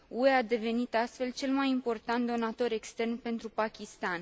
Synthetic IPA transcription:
ue̞ad̪e̞ve̞nit̪ast̪fe̞lt͡ʃe̞lmajimpo̞rt̪ant̪̚d̪o̞nat̪o̞ɾe̞kst̪e̞rnpe̞nt̪ɾupakʲist̪an

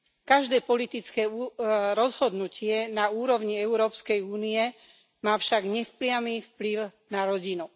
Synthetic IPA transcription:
kaʒd̪ɛːpɔlit̪it͡skɛːuɾɔzɦɔd̪nucʰɪɛnauːɾɔʋɲiɛuɾɔːpskɛjuːniɛ | maːfʃaɡɲɛfplɪamiːfpliʊnaɾɔɟinu

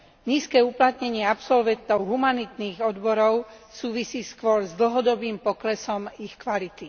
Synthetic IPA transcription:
ɲiːskɛːuplat̪ɲɛɲɪɛapsɔlʋɛnt̪ɔʊɦumanit̪niːɣɔd̪bɔɾɔʊsuːʋisiːskʋɔɾzd̪l̩ɦɔd̪ɔbiːmpɔklɛsɔmixkʋalit̪i

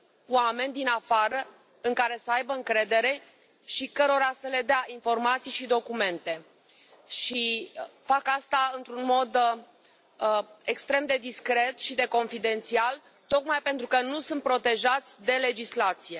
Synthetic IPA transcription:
wame̞nʲd̪inafaɾə | ɨŋkaɾe̞səajbəɨŋkɾe̞d̪e̞ɾe̞ | ʃikəɾo̞ɾasəle̞d̪eaʔinfo̞rmat̪sijʃid̪o̞kume̞nt̪e̞ | ʃifakast̪aɨnt̪ɾunmo̞d̪ | ekst̪ɾe̞md̪e̞d̪iskɾe̞t̪ʃid̪e̞ko̞nfid̪e̞nt̪sial | t̪o̞kmajpe̞nt̪ɾukənusunt̪̚pɾo̞t̪e̞ʒat̪sʲd̪e̞le̞d͡ʒislat̪sije̞

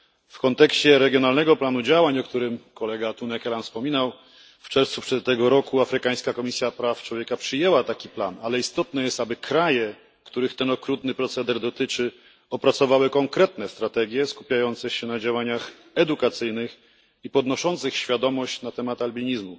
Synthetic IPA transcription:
fkɔnt̪ɛkɕt͡ɕɛɾɛɡʲjɔnalnɛɡɔplanud͡ʑawaɲɔkt̪uɾɘmkɔlɛɡat̪unɛkɛlanfspɔmʲinaw | ft͡ʂɛɾft̪supʂɛt̪ːɛɡɔɾɔkuafɾɘkaj̃skakɔmʲisʲjapɾaft͡ʂwɔvʲjɛkapʂɘjɛwat̪akʲipla̰nalɛist̪ɔt̪nɛjɛst̪abɘkʰɾajɛ | kt̪uɾɘxt̪ɛnɔkɾut̪nɘpɾɔt̪sɛd̪ɛɾd̪ɔt̪ɘt͡ʂɘ | ɔpɾat̪sɔvawɘkɔŋkɾɛt̪nɛst̪ɾat̪ɛɡʲjɛskupʲjajɔnt̪sɛɕɛnad͡ʑawaɲax | ɛd̪ukat̪sɘjnɘx | ipɔd̪nɔʂɔnt̪sɘxɕfʲjad̪ɔmɔɕt͡ɕnat̪ɛmat̪albʲiɲizmu

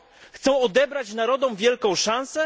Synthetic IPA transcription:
xt̪sɔ̃w̃ɔd̪ɛbɾat͡ɕnaɾɔd̪ɔ̃wvʲjɛlkɔ̃w̃ʂãnsɛ

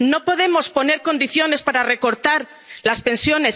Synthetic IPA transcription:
no̞po̞ðe̞mospo̞ne̞ɾko̞nd̪iθjo̞ne̞spaɾare̞ko̞ɾt̪aɾ | laspe̞nsjo̞ne̞s

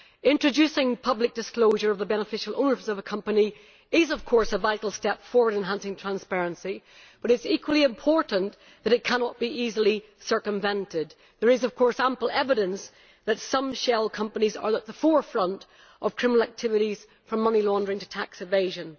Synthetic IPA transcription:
ɪ̃nt͡ʃɹ̥ɨd͡ʒʉsɪ̃ŋpʰʌblɨk̚d̥ɨskloʊʒə˞ʌvðəbɛnəfɪʃəl̩ˠʔõ̰ʊ̃nə˞zʌvəkʰʌ̃mpəni | ɪzʌv̥kʰɔɹsəvaɪɾˡl̩ˠstɛpfɔɹwə˞ɾɨ̃nɦãnsɪ̃ŋtʰɹ̥æ̃nspɛɹɨ̃nsi | b̥ʌɾɨtsikwəlˠiɨ̃mpʰɔɹʔn̩ | ðɨɾɨt̚kʰanɔt̚b̥iʔizl̩ˠi | sɜ˞kə̃ɱvɛ̃ntɪd̪̚ | ðə˞ɨzʌv̥kʰɔɹsãmpl̩ˠɛvɨɾə̃ns | ðɨtsʌ̃mʃɛlˠkʰʌ̃mpənizə̰˞ðət̪̚ðəfɔɹfɹʌ̃nt | ʔəv̥kʰɹ̥ɪ̃mənl̩ˠak̚tʰɪvɨɾiz̥ | fɹʌ̃mːʌnilˠɔ̃ndə˞ɪ̃ŋtʰə̥tʰaksɨveɪʒɨ̃n

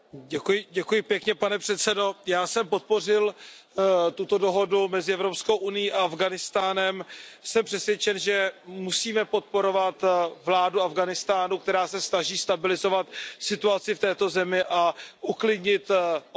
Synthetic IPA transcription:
ɟɛkujɪɟɛkujɪpjɛkɲɛpanɛpr̥ɛt̪sɛdo̞jaːsɛmpo̞t̪̚po̞r̝ɪl | t̪ut̪o̞do̞ɦo̞dumɛzɪʔɛvɾopskowʔunɪjiːʔaavɡanɪst̪aːnɛmsɛmpr̥ɛsvjɛt͡ʃɛnʒɛmusiːmɛpo̞t̪̚po̞ɾo̞vat̪vlaːduavɡanɪst̪aːnuk̚t̪ɛɾaːsɛsnaʒiːst̪abɪlɪzo̞vat̪sɪt̪uat͡sɪft̪ɛːt̪o̞zɛmɪʔaʔuklɪdɲɪt̪

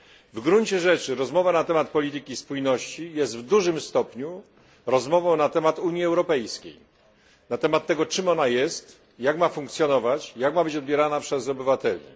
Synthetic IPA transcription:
vɡɾuɲt͡ɕɛʐɛt͡ʂɘɾɔzmɔvanat̪ɛmat̪̚pɔlʲit̪̬ɘkʲispujnɔɕt͡ɕijɛst̪vd̪uʐɘmst̪ɔpɲu | ɾɔzmɔvɔ̃w̃nat̪ɛmat̪uɲjiɛwɾɔpɛjskʲḛj | nat̪ɛmat̪ːɛɡɔt͡ʂɘmɔnajɛst̪ | jakmafuŋkt̪sʲjɔnɔvat͡ɕjakmabɘt͡ɕɔd̪̚bʲjɛɾanapʂɛzɔbɘvat̪ɛlʲḭ

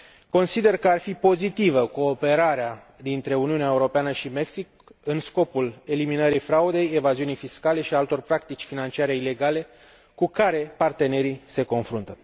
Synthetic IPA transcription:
ko̞nsid̪e̞rkəarfipo̞zit̪ivəko̞ːpe̞ɾaɾea | d̪int̪ɾe̞uniuneaeuɾo̞peanəʃime̞ksik | ɨnsko̞pule̞liminəɾifɾaud̪e̞je̞vaziunijfiskale̞ʃialt̪o̞rpɾak̚t̪it͡ʃʲfinant͡ʃiaɾeile̞ɡale̞ | kukaɾe̞part̪e̞ne̞ɾise̞ko̞nfɾunt̪ə

